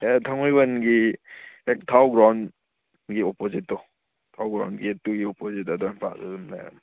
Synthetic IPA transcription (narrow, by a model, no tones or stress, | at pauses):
etʰaŋɔjbɐnɡi | ek̚tʰawɡɾawn | ɡiɔpozitːɔ | tʰawɡɾa̰wnɡietːuɡiɔpozitadɔɛmpʰa̰ta̰dumna̰ja̰m